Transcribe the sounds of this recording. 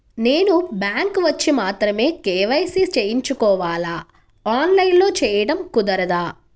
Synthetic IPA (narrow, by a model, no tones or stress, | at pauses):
ne̞ːnubjaːŋkʋɐt͡ʃːimaːt̪ɾɐme̞ːkeːʋɐjsiːt͡ʃejiɲt͡ʃukɔːʋaːlaː | aːnlɐjnlo̞ːt͡ʃɛːjɐɽɐmkud̪ɐɾɐd̪aː